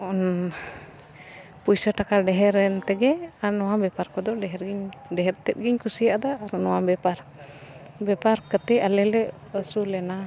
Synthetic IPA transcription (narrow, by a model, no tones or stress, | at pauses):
ɔn | pujsəʈakaɖɛɦɛɾɛnt̪ɛɡɛaɾnɔwabɛpaɾkɔd̪ɔɖɛɦɛɾɡiɲɖɛɦɛɾt̪ɛt̪̚ɡiɲkusijaʔd̪aːɾnɔwabɛpaɾ | bɛpaɾkət̪ɛalɛlɛ | əsulɛna